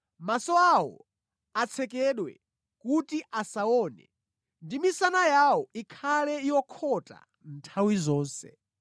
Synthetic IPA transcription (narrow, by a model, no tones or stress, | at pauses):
masɔaɔ̰ | at͡sʰɛkɛɗwɛ̰ | kutiʔasaɔːnɛ̰ | ndimisanajaɔikʰalɛijɔkʰɔta̰ | n̩tʰawizɔːnsɛ̰